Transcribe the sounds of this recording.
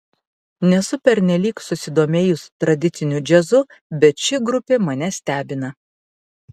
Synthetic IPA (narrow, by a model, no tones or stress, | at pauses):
nʲɛsʊpʲɛɾʲnʲɛlʲiːksʊsʲɪd̪oːmʲeːjʊst̪ɾɐd̪ʲɪt̪sʲɪnʲʊd͡ʒʲɛzʊ | bʲɛt̪ʃʲɪɡɾʊpʲeːmɐnʲɛsʲt̪ʲæːbʲɪnɐ